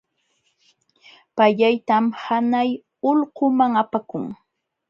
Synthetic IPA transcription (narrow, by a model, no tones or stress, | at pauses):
paʎajt̪amhanaj | ʊʎqʊmaŋapakʊŋ